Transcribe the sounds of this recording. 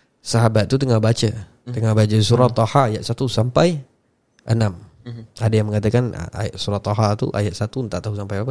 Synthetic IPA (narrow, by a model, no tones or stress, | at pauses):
saɦabat̪̚ːut̪əŋabat͡ʃə | əŋabat͡ʃəsuɾat̪ːɔhaːjaʔ̪sat̪usampaj | ʔənam | adajaŋməŋat̪akan̰a̰ja̰ʔsuɾat̪ːɔɦat̪ṵʔa̰jaʔ̪sat̪unt̪aʔt̪aɦusampajapa